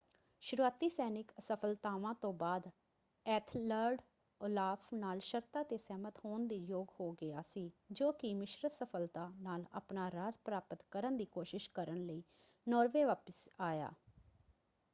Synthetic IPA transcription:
ʃʊɾuaːt̪iːsɛːnɪksəpʰəlt̪aːʋãːt̪õːbaːd̪ | ɛːt̪ʰləɾɖ | ʊlaːpʰnaːlʃəɾt̪aːt̪eːsɛːmət̪hoːnd̪iːjoːɡhoːɡɪaːsiːd͡ʒoːkɪmɪʃɾəsəpʰəlt̪aːnaːla̰ːpnaːɾaːzpɾaːpət̪kəɾənd̪iːkoːʃɪʃkəɾənləiː | nɔːɾʋeːʋaːpəsaːja̰ː

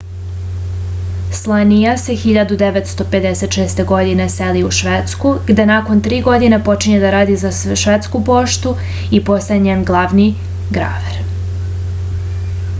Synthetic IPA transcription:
slˠanijase̞xiʎad̪ud̪eʋet̪st̪o̞pe̞d̪ese̞t̪ʃeːst̪eɡo̞d̪ineseliuʃʋet̪skuɡd̪enako̞nt̪ɾiːɡo̞d̪inepo̞t͡ʃiɲed̪aɾaːd̪izaʃʋet̪skupo̞ʃt̪u | ipo̞st̪ajeɲenɡlˠaʋni | ɡɾa̰ʋeɾ

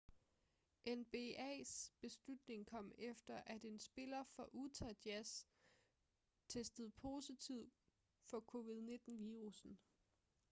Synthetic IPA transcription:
ʔenb̥e̝ɛ̰ːsb̥e̝slud̥ne̝ŋkʰɒ̽m̰efd̥ɐʔæd̥e̝nsb̥e̝lɐfɒ̽ʔut͡sʰæd̥jæs | t͡sʰesd̥əð̞̩ˠpʰo̝ːsit͡sʰiʊ̰ | fɒ̽kʰo̝ːʋið̞ˠne̝d̥n̩ʋiːʁusn̩

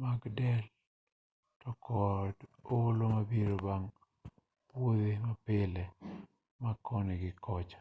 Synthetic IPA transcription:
maɡdɛl | tɔkʰɔdolomabiɾobaŋ | pwoðemapɪlɛ | makʰɔnɛɡɪkɔt͡ʃḁ

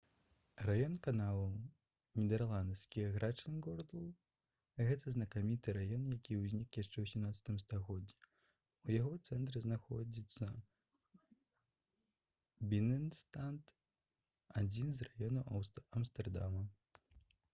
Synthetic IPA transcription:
rajɔnkanalˠu | nʲid̪ɛrlˠand̪sʲkʲiɣɾʔat͡ʂɨnɡɔrd̪lˠ | ɣɛt̪ɐznɐkamʲit̪ɨɾajɔnjakʲiwzʲnʲikjaʂt͡ʂɛwsʲimnat̪sɐ̥t̪ɨmst̪aɣɔd͡zʲːɛ | ujaɣɔt̪sɛnt̪̬ɾɨznaxɔ̰d͡zʲit̪sːɐ | bʲinɛnst̪ant̪ | ad͡zʲinzrajɔnuɐmst̪ɛrd̪a̰mɐ

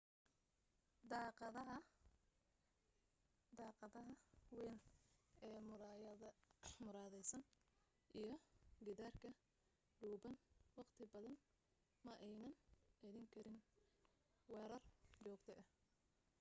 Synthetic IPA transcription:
d̪ɑːqðɐɦɐ | d̪ɑːqɑðɐɦɐwɛnʔɛː | mʊɾaːðɛjsɐn | ʔijɞɡɪðaːrkʰɐ | ɖuːbɐnwɑqt̪ʰɪbɐðɐn | mɐʔɛjnɐnɐðiːŋkʰɐɾɪn | wɛːɾɐrt͡ʃɔːɡt̪ʰɛʔɐh

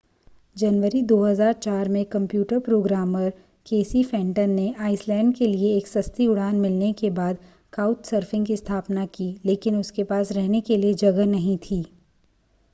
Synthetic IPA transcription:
d͡ʒɐnʋəɾid̪oːɦəzaːɾt͡ʃaːɾmẽkɐ̃mpjuːʈəɾpɾoːɡɾaːməɾ | keːsifɛ̃ːɳʈənːeʔaːɪslɛ̃ːɳɖkelieːksɐst̪iʊɽ̤aːnmɪlnekebaːd̪ | kaːʊʈsəɾfɪ̃ŋɡkist̪ʰaːpnakileːkɪnʊskepaːsɾɛɦnekelied͡ʒɐɡənɐɦĩt̪ʰiː

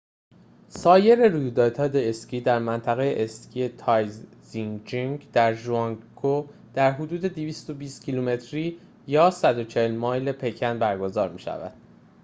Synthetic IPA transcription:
sɒːje̞ɾe̞ɾujuːd̪ɒːt̪ʰɒːd̪eesciːd̪æɾmænt̪ʰæɣejeʔescʰiːe̞t̪ʰɒjzziŋd͡ʒiŋɡd̪̥æɾʒuɒŋkʰo | d̪̥æɾɦod̪uːd̪e̞d̪iviːst̪o̞biːst̪̚cʰilume̞t̪ʰɾiː | jɒːsæd̪o̞t͡ʃʰehelmɒːjle̞pʰe̞cʰænbæɾɡo̞zɒːɾmḭːʃæ̰væ̰d̪̥

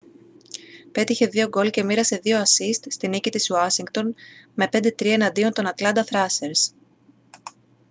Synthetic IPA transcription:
pe̞t̪içe̞ðio̞ɡo̞lce̞miɾɐse̞ðio̞ɐsist̪st̪inicit̪isuɐsiŋɡt̪o̞nme̞pe̞nd̪e̞t̪ɾiɐenɐnd̪io̞nt̪o̞nɐt̪lɐnd̪ɐθɾɐseɾs

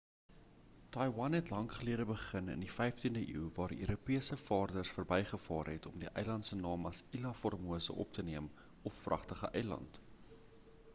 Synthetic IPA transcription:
tɑjwɐnɦɛtlɐŋχəliəɾəbəχənə̰ndifɛjftindəʔḭːwvɑːɾʔø̰ːɾupiəsəfɑːrdərsfərbɛjχəfɑːrɦɛtɔmdiʔœjlɐntsənɑːmɐsilɐfɔrmuəsə̰ʔɔ̰p̚təniəm | ɔfːrɐχtəχəʔɛjlɐ̰nt

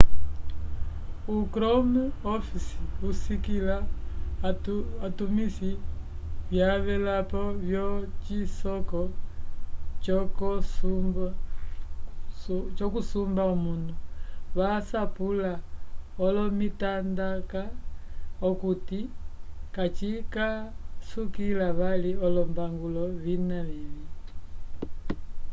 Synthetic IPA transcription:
ukɾɔmuɔfisiusikila | tumisi | βjaβɛlapɔβjɔt͡ʃisɔkɔ | ɔkɔsumb | t͡ʃɔkusumbaɔmunduβasapulaɔlɔmitandaka | ɔkutikat͡ʃikasukilaβaliɔlɔmbaŋɡulɔβinaβili

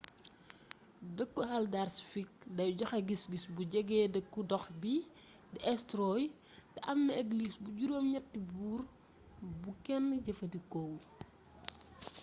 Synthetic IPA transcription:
dəkːuhɐldarsfik̚dɐjɟɔxɐɡisɡisbuɟɛɡɛːdəkːudɔxbi | diɛstɾɔj | dɐʔɐmːɐeɡlisbuɟuɾoːmɲɐtːibuːr | bukɛnːəɟɐfɐdikɔw

